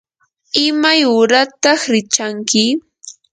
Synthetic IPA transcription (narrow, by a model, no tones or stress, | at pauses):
ɪmajʊɾat̪ɑχɾɪt͡ʃaŋkɪ